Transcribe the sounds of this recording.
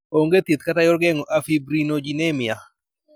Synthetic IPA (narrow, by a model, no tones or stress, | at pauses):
oŋɡet̪it̪katajɔɾɡɛŋɔʔafibɾinod͡ʒinemia